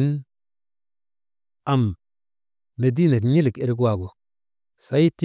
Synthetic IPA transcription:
n | a˨m | e˨di˦na˨kɲi˦li˨ke˨ɾk̬wa˨ɡo˨ | sa˦jti˦

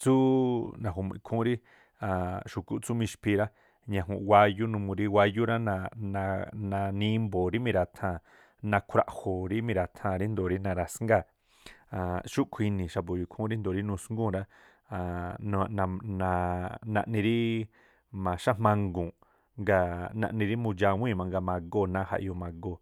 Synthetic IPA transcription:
t͡su˦nã˨ɦo˨m˧ḭ̃˨˧kʰũ˦ɾi˦ | ã˨ʃu˨ku˦ʔt͡su˦mĩ˧ʃpʰi˧ɾa˦ | ɲã˧˨ɦṵ̃˧ʔwa˧ju˦nũ˧mũ˧ɾi˦wʷa˧ju˦ɾa˦nã˧nã˧nã˧nĩ˧˦mbo˨ɾi˦mĩ˧ɾa˧t̪ʰã˧˨ | nã˧kʷʰɾa̰˧ʔho˨ɾi˦mĩ˧ɾa˧t̪ʰã˧˨ɾi˦nd̪o˨ɾi˦nã˧ɾa˧sŋɡa˦˧˨ | a˨ʃu˦kʷʰi˧nĩ˨ʃa˧p̬o˨ju˨kʰũ˦ɾi˦nd̪o˨ɾi˦nũ˧sŋɡũ˦˨ɾa˦˨ | n˧nã˧nã˧nã̰˧ʔnĩ˧ɾi˦ | mã˨ʃã˦mã˧ŋɡũ˨ | ŋɡa˧nã̰˧ʔnĩ˧ɾi˦mũ˧d͡ʒa˧w̃ʷĩ˦˧˨mã˧ŋɡa˧mã˧ɡo˦˨nã˦ha̰˧ʔjo˧mã˧ɡo˧˨

